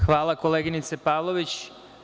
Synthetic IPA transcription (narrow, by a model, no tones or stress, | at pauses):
xʋaːlˠako̞leːɡinit̪sepaːʋlˠoʋit͡ɕ